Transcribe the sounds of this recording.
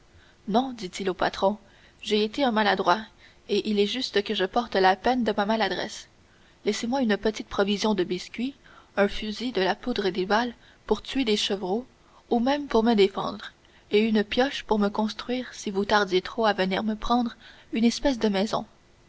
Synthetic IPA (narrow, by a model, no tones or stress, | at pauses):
nɔ̃d̪it̪ilopat̪χɔ̃ | ʒeːt̪eɛ̃malad̪ʁwa | eʔilɛʒyst̪əkəʒəpɔʁt̪lapɛnd̪əmamalad̪ʁɛ̰s | lɛsemwaynpət̪it̪̚pχɔvizjɔ̃d̪əbiskʲɥiɛ̃fyzid̪əlapud̪ʁed̪eval | puʁt̪ɥed̪eʃəvʁo | umɛ̃mpuʁməd̪efɑ̰̃d̪ʁ | eynpjɔʃpuʁməkɔ̃st̪χɥiːʁsivut̪aʁd̪jet̪χoavənḭːʁməpχɑ̃d̪ʁ | ynɛspɛs̬d̪əmɛzɔ̰̃